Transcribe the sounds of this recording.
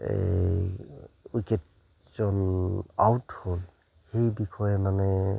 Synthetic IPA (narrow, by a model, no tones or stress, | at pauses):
ḛ | uket | z̥ɔnawthol | hejbikʰɔjɛmanɛ